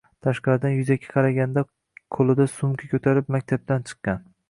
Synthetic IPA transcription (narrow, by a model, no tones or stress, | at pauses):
t̪ʰaʃqɑɾd̪anjʊzakʲʰɪ̥qʰɑɾaɡʲand̪a | qʰolˠɪd̪asʊmkʲʰakʲʰɵt̪ʰaɾɪpmak̚ʲt̪ʰab̚t̪ant͡ʃʰɨ̥qːɑn